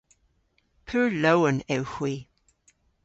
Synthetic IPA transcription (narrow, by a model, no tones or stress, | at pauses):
pʰʉɹlowənɛwhwi